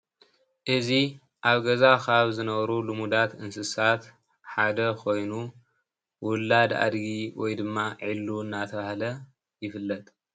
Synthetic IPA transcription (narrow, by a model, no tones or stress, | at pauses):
ʔɨzi | ʔaβɡɐzakʰaβzɨnɐβɐɾulɨmud̪at̪ɨnsɨsat̪ | ħad̪ɐkʰo̞jnu | wʊlːad̪a̰d̪ɡiwɔjd̪ɨmːaʕilːuɨnːat̪ʰɐβahlɐ | jɪfɨlːɐt̪ʼ